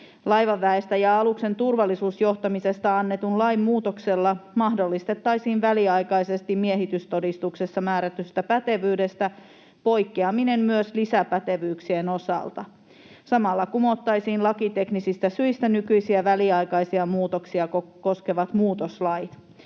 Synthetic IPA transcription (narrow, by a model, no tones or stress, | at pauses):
lɑjʋɑʋːæest̪æjɑɑlukse̞nt̪urʋɑlːisuːsjo̞ht̪ɑmise̞st̪ɑɑnːe̞t̪unlɑjmmuːt̪okse̞lːɑmɑhdo̞lːist̪e̞t̪ːɑjsiːnʋæliɑjkɑjse̞st̪immieɦit̪yst̪o̞dist̪uksesːɑmæːɾæt̪yst̪æpæt̪e̞ʋyːde̞st̪æ | po̞jkːiɑmine̞mmyøslisæpæt̪e̞ʋyːksieno̞sɑ̰lt̪ɑ̰ | sɑmɑlːɑkumo̞t̪ːɑjsiːnlɑkit̪e̞knisist̪æsyist̪ænykyjsiæʋæliɑjkɑjsiɑmuːt̪oksiɑkoko̞skeʋɑt̪muːt̪oslɑjt̪